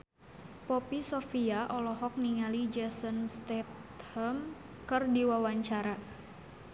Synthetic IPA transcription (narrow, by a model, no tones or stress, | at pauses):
pɔpisɔfiaʔɔlɔɦɔk̚niŋalid͡ʒɛsənst̪ɛt̪həm | kɨrdiwawaɲt͡ʃaɾa